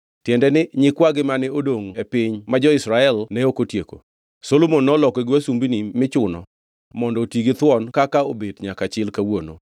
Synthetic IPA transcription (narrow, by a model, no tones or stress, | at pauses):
tjɛndɛnɪɲɪkwaɡɪmanɪodoŋepɪɲmad͡ʒɔɪsɾaɛlnɛokotjeko̰ | solomonːɔlɔkeɡɪwasumbinimɪt͡ʃʊnɔ̰ | mɔndɔtiɡit̪wɔnkakaobedɲakat͡ʃɪlkawono̰